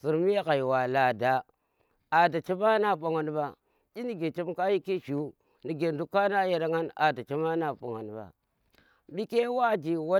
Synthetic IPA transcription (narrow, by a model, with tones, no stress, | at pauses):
su˨ɾmi˦ja˦ka˨jwa˨la˨da˨ | a˨da˨t͡ʃa˦ma˦na˦˨ɓa˨ŋa˨nba˨ | ɗi˦ni˦ɡe˨t͡ʃe˦mka˦ji˦ki˦ʃu˨˦ | ni˨ɡe˨ndu˦kːa˦na˦ja˦ɾa˦ŋa˦na̰˨da˨t͡ʃa˦ma˦na˦˨ba̰˨ŋa̰˨nba̰˨ | bi˦ke˦wa˦d͡ʒi˨wa˦